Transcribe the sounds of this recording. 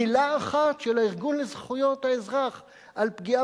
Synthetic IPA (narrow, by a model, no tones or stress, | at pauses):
ilaːχat̪ʃelaiʁɡunlezχujo̞t̪haezʁaχ | alpɡia